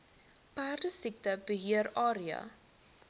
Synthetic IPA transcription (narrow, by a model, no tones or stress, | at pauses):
pæːrdəsik̚təbəɦiəɾɑːɾiə̰